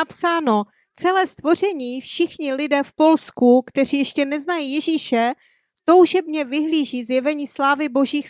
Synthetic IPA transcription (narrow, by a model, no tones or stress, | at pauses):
apsaːno̞ | t͡sɛlɛːst̪vo̞r̝ɛɲiːfʃɪxɲɪlɪdɛːfpo̞lskukt̪ɛr̝iːjɛʃcɛnɛznajiːjɛʒiːʃɛ | t̪o̞wʒɛbɲɛvɪɦliːʒiːzjɛvɛɲiːslaːvɪbo̞ʒiːx